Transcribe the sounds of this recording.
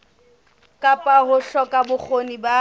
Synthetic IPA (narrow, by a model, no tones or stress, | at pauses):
kʼapʼaɦʊɬɔkʼabʊk͡xʰoniba